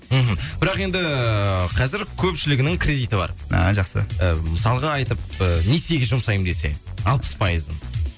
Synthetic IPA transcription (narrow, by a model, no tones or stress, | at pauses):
m̩ɦm̩bɪɾɑqe̞nd̪ɪqʰɑzɪɾkʲʰɵpʃɪlɪɡʲɪnɪŋkʲʰɾʲe̞d̪ijt̪əbɑ̰ɾɑ̰ʒɑqsə̰əməsɑlˠəʁɑɑjt̪əp̚ənese̞ɡʲɪzʒʊmsɑjəmd̪e̞se̞̰ɑlˠpə̥spʰɑjəzən